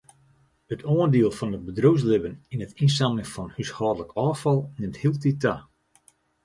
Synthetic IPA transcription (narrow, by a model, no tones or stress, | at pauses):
ətʰoəndiəlˠfɔnəbədrows̬lɪbəninətins̬aməŋfɔnhyshɔːdələkɔːfɑlˠnɪmthiəlˠtita